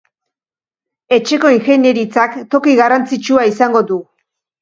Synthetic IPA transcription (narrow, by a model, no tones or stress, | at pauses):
e̞t͡ʃe̞ko̞iŋxe̞ne̞ɾit͡sakt̪o̞kiɣarant͡sit͡ʃuaisaŋɡo̞ðu